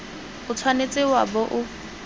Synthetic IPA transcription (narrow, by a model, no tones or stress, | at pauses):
ʊt͡sʰwanet͡sʼɪwabɔʔʊ